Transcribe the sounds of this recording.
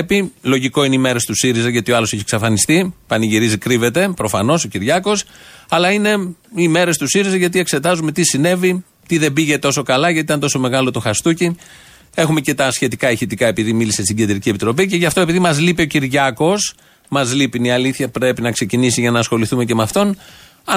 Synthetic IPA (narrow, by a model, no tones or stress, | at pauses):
pilo̞ʝiko̞ineime̞ɾest̪usiɾizɐʝɐt̪ioɐlo̞seçieksɐfɐnist̪ipɐniʝiɾizikɾive̞t̪e̞pɾo̞fɐno̞so̞ciɾʝɐko̞sɐlɐine̞ime̞ɾe̞st̪usiɾizɐʝɐt̪ie̞kse̞t̪ɐzume̞t̪isine̞vi | t̪iðe̞biʝe̞t̪o̞so̞kɐlɐʝɐt̪it̪ɐnt̪o̞so̞me̞ɣɐlo̞t̪oxɐst̪uci | e̞xume̞ce̞t̪ɐsçe̞t̪ikɐiçit̪ikɐe̞piðimilisest̪iɟend̪ɾicie̞pit̪ɾo̞pice̞ʝɐft̪oe̞piðimɐzlipio̞ciɾʝɐko̞s | mɐzlipiniɐliθçɐpɾe̞pinɐkse̞cinisiʝɐnɐːsxo̞liθume̞ce̞mɐft̪o̞n | ɐ